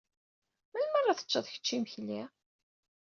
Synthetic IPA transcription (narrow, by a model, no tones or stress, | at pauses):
mælmərˤːɑθə̥t͡ʃːɑðˤçə̥t͡ʃːiməçli